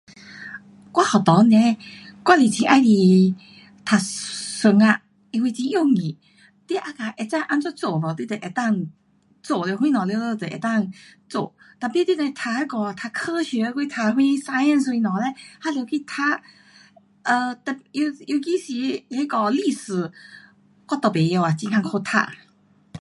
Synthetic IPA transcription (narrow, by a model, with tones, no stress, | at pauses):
kwa˧ha˨˩t̪ɔ˨˦nɛ˧˦kwa˧˨li˨˩t͡ɕʰĩ˧ʔa˧jli˧˩ | t̪ʰa˧sʊ˧ŋa˧ | i˧wi˧t͡ɕĩ˧jo˥˧˨ŋĩ˨˩ | t̪i˧˥ʔa˧ka˧ʔe˧˩t͡sa˥˧˨ʔa˧nt͡sɔ˥˧t͡so˨bɔ˨˩t̪i˥˩t̪e˨˩ʔe˨˩t̪a˥˩ŋ | t͡so˨˧˨le˧hwĩ˦˥nɔ̃˨˩le˧lo˧t̪e˨ʔḛ˨˩˦t̪a˥˨ŋt͡so̰˧˩˨ | t̪a˨˧˩pi˧˥˦t̪i˥ne˧t̪ʰa˧he˧˦kɔ˧˩˨t̪ʰa˧kʰə˧ɕɛ˧˦˧kwi˥˧˦t̪ʰa˧ɦwĩ˦sa˧jə˥˨nswĩ˧nɔ̃˨le˧˦ha˧ljo˧wkʰi˧˨t̪ʰa˧˥ | ʔə˧t̪ɛ˨˩i˧ju˧ki˦si˧e˧˦kɔ˧li˥˧sɨ˨˩ | kɔ˥˧˦t̪ɔ˨˩pe˨jo˧a˨˩t͡ɕĩ˧ŋkʰa˧ŋkʰo˧t̪ʰa̰˧˨